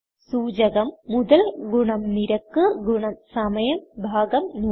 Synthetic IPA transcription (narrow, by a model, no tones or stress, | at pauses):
suːd͡ʑɐɣɐmːuðɐlɡuɳɐmniɾɐkːɨɡuɳɐmsɐmɐjɐmbʱaːɡɐmnu